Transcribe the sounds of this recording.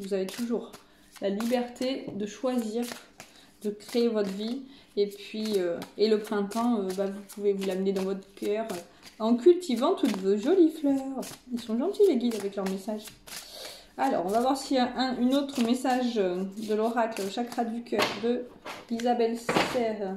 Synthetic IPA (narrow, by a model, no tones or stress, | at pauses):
vuzavet̪ʰuʒuʁ | lalibɛʁt̪ʰed̪əʃwaziːʁ | d̪əkχeːvɔt̪χəvi | epɥiøeləpχɛ̃t̪ɑ̃øbavupʰuvevulamned̪ɑ̃vɔt̪χəkœʁø | ɑ̃kʲylt̪ʰivɑ̃t̪ut̪voʒɔliflœʁilsɔ̃ʒɑ̃t̪ileɡʲid̪avɛklœʁmesaʒ | alɔ̰ʁɔ̃vavwaʁsiɛʔɛ̃ynot̪χəmesaʒød̪əlɔʁaklʃakʁad̪d̪ykʰʲœʁd̪ə | izabɛlssɛʁ